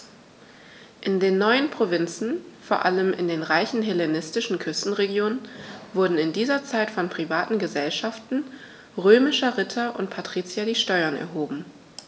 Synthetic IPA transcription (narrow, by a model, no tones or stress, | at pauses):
ʔɪndeːnːɔʏənpʁ̥ovɪnt͡sn̩foːɐʔaləmɪ̰ndeːnʁaɪçn̩ɦelenɪstɪʃn̩kʰʏstn̩ʁeɡjoːnənvʊɐdn̩ɪndiːzɐt͡saɪtfɔnpʁ̥ivaːtn̩ɡəzɛlʃaftn̩ | ʁøːmɪʃɐʁɪtʰɐʔʊ̰ntpʰatʁ̥iːt͡sjadiːʃtɔʏɐnɛ̰ɐɦoːbm̩